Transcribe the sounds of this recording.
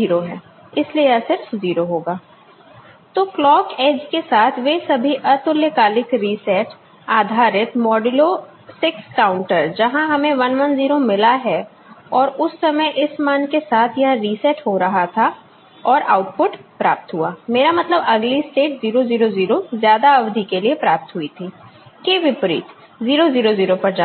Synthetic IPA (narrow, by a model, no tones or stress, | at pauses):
iːɾoɦɛ̃ː | ɪslieɐsɪɾfziːɾoɦoːɡaː | t̪oːklɔːkeːd͡ʒkesaːt̪ʰʋesɐbʱiʔɐt̪ʊljəkaːlɪkɾiːsɛʈ | aːd̪ʱaːɾɪt̪mɔːɖɪlo | sɪkskaːʊ̃ɳʈəɾd͡ʒɐɦãɦɐmẽʋɐnʋɐnziːɾomɪlaɦɛ | ɔːɾʊsːɐməjʔɪsmaːnkesaːt̪ʰjɐɦãɾiːsɛʈɦoɾɐɦat̪ʰa | ɔːɾaːʊʈpʊʈpɾaːp̚t̪ɦuaːmeːɾamɐt̪ləbɐɡlisʈeːʈziːɾoziːɾoziːɾozjaːd̪aɐʋd̪ʱikeliepɾaːp̚t̪ɦʊit̪ʰiːkeːʋɪpɾḭːt̪ | ziːɾoziːɾoziːɾopɐɾd͡ʒaː